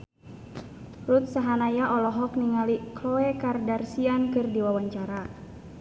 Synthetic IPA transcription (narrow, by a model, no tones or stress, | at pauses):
rut̪̚saɦanajaʔɔlɔɦɔk̚niŋaliklɔɛkardarsiankɨrdiwawaɲt͡ʃaɾa